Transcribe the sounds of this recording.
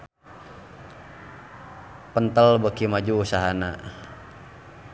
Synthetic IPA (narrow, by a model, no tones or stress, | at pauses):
pənt̪əlbəkimad͡ʒuːsaɦana